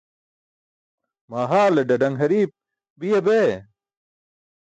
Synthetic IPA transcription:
maːɦaːlɐɖɐɖɐŋɦɐɾiːp̚ | bijɐbe

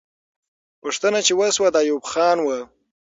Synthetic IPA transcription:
pəʂt̪ənat͡ʃewaswad̪ɑjubxɑnwa

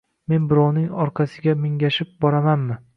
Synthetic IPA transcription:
me̞nbɪɾɒwnɪŋɒɾqʰɑsɪɡʲamɪŋɡʲaʃɪp̚bɒɾamanmɪ

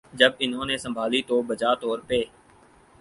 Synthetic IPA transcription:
d͡ʒəbɪnɦõːneːsə̃mbʱaːliːt̪oːbəd͡ʒaːt̪ɔːɾpeː

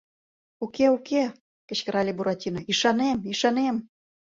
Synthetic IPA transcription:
ukeuke | kə̆ɕkə̆ɾɑlʲebuɾɑt̪ʲinŏiʃɑnemiʃɑnem

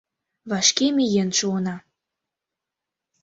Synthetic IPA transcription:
βɑʃkemijenʃuɤnɑ

